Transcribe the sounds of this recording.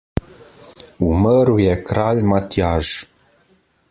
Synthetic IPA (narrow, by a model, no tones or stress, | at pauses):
uməɾujɛkɾalʲmat̪jaʒ